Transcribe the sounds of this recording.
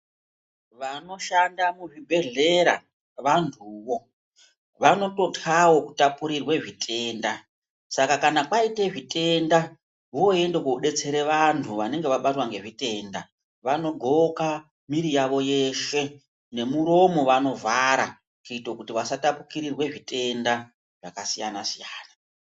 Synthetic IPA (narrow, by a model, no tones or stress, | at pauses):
ʋano̞ʃandamuʐibʱe̞ɮe̞ɾa̰ | ʋantʰuːʋo̞ | ʋano̞to̞tʰawo̞ku̥tapuɾirwe̞ʐitʰʼe̞ːnda | sakakanakwaiteʐite̞nda | ɦoe̞ndekouɗe̞t͡se̞ɾe̞ʋantʰuʋane̞ŋɡe̞ʋaɓatwaŋɡe̞ʐite̞ːnda | ʋano̞ɡʱoka | miɾijaʋo̞je̞ʃe̞ | ne̞muɾo̞mo̞ʋano̞vaɾa | kuitokutiʋasatapukiɾirwe̞ʐite̞nda | ʐ̥akasijanasijaːna